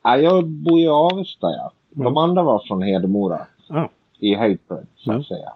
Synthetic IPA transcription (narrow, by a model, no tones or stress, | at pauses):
ajɑːɡbuːjɑːvɛst̪a̰ja̰ | d̪ɔmand̪ɾavaɾfɾɔnɦeːd̪əmuːɾa̰ | ɪɦaɪpʰə̰d̪sa̰t̪sɛjːa̰